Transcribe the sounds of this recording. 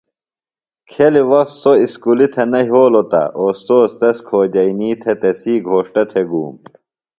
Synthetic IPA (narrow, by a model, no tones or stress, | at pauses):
kʰeliwɐssoiskulit̪ʰɐnɐɦoːlot̪ɐ̰oːst̪oːst̪ɐskʰoːd͡ʑɐiniːt̪ʰet̪esiːɡʱoːʂʈɐt̪ʰeɡṵːm